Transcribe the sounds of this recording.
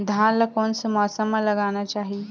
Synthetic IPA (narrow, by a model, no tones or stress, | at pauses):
d̪ʱaːnlakoːnsemɔːsəmːãlɐɡaːnat͡ʃaːɦi